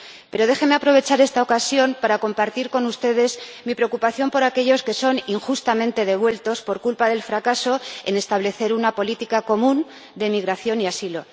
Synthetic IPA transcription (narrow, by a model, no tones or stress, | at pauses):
pe̞ɾo̞ðe̞xe̞meapɾo̞βe̞t͡ʃaɾe̞st̪ao̞kasjo̞mpaɾako̞mpaɾt̪iɾko̞nust̪e̞ð̞e̞zmipɾe̞okupaθjo̞mpo̞ɾake̞ʝo̞ske̞so̞niŋxust̪amẽnt̪e̞ðe̞β̞we̞lt̪o̞spo̞ɾkulpaðe̞lfɾakaso̞e̞ne̞st̪aβle̞θe̞ɾunapo̞lit̪ikako̞mũn | d̪e̞miɣɾaθjo̞niasilo̞